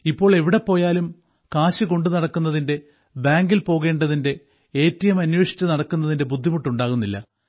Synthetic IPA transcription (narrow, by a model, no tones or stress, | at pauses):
ipːo̞ːɭe̞ʋiɽe̞pːo̞ːjaːlum | kaːɕɨko̞ɳɖunɐɽɐkːunːɐðinde̞ | baːŋɡilpo̞ːɣe̞ːɳɖɐðinde̞ | eːtːɐjɐmɐnweːʂi̥t͡ɕːunɐɽɐkːunːɐðinde̞bud̪ʱːimuʈːuɳɖaːɣunːilːɐ̰